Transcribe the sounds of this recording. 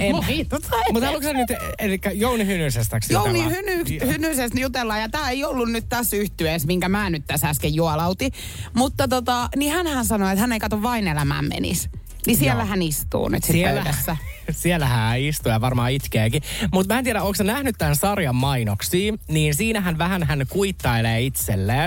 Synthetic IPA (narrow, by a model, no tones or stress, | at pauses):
emiːt̪ːot̪ɑmut̪hɑluksennyt̪elikːæjounihynysest̪æksjjounihynykshynysest̪jut̪elːɑjɑt̪æːeiolːunnyt̪t̪æsyht̪yesmiŋkæmæːnyt̪t̪æsæskejjuɑlɑut̪i | mut̪ːɑt̪ot̪ɑnihænhænsɑnoet̪hænːeikɑt̪oʋʋɑinelæmæ̰ːmmḛnḭs | nisielːæhænist̪ṵːny̰t̪sitspøydæsːæ | sielːæhæːist̪ujɑʋɑrmɑːit̪keːkimut̪mæːnt̪ieɾæoːsenæhnyt̪t̪ːænsɑrjɑmːɑinoksiːniːnsiːnæɦænʋæhænhænkuit̪ːɑeleːit̪selːeː